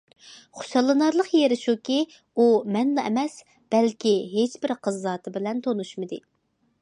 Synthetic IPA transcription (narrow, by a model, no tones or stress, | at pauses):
χo̥ʃɑlˠːɨnɑɾlˠəqjeɾɪʃukʲi | umɛnlɑɛ̰mɛs | b̥ɛlkʲiɦet͡ʃbɪɾqʰəzːɑːt̪ʰɨbɪlɛnt̪ʰonuʃmɨd̪ɨ